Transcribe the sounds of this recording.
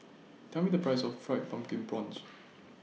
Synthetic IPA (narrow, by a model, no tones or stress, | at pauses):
tʰamĩdəpʰɹaɪsɔffɹaɪt̚pãmkĩŋbɹɔ̃ns